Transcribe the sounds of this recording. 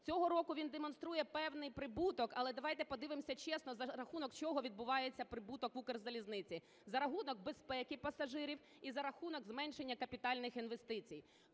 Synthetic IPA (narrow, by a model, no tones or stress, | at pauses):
t͡sʲɔɦɔɾɔkʊʋʲind̪emɔn̪st̪ɾujɛpɛwnɪjpɾɪbut̪ɔkɐlˠɛd̪ɐʋɑjt̪ɛpɔd̪ɪʋɪmsʲɐt͡ʃɛsnɔzɐɾɐxunɔkt͡ʃɔɦɔʋʲid̪̚bʊʋɑjet͡sʲːɐpɾɪbut̪ɔkʋukerzɐlʲiznɪt͡sʲi | zɐɾɐɦunɔɡ̚bespɛkɪpɐsɐʒɪɾʲiw | izɐɾɐxunɔɡzmɛnʲʃe̞nʲːɐkɐpʲit̪ɑlʲnɪxinʋest̪ɪt͡sʲij